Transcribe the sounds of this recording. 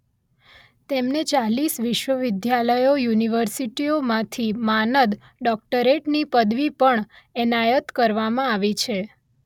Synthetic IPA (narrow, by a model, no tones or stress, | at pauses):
t̪emnet͡ʃalisʋɪʃʋəʋɪd̪jaləjojuniʋəɾsiʈiomãt̪ʰimanəd̪ | ɖɔk̚ʈəɾeʈnipəd̪ʋipəɳ | ɛnajət̪kəɾʋamãaʋit͡ʃʰe